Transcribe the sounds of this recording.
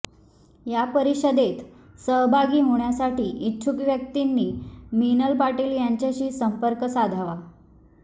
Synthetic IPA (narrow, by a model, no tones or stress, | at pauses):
japəɾiɕəd̪et̪ | səɦbʱaɡiːɦoɳjasaʈiːʔit͡ɕʰukʋjək̚t̪inːiːminəlpaʈiljaɲt͡ɕjaɕiːsəmpəɾkəsad̪ʱaʋa